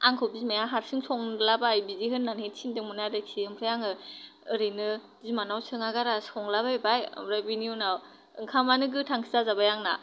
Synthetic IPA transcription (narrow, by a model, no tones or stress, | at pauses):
aŋkʰɯwbizmajaɦaɾsɯŋsʰɔŋlabajbiziɦɯnːanhensʰindɯŋmɯnaɾak̚sʰiɯmpʰɾɯjaŋɯɯɾɯjnɯ | zimanawsʰɯŋaɡaɾasɔŋlabajbajɯ̰mɾajbiniunaw | ɯ̰ŋkʰamanɯɡɯtʰaŋsʰizazabajaŋna̰